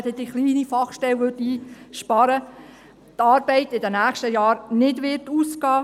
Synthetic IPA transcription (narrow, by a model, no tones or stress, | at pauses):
tɛdiχliːnifɑχʃtɛlʋøtiːʃpɑɾə | t̪ɑːɾb̥ɛɪtɪdənæːχʃtəjɑːɾnɪdʋɪrtuːskɑː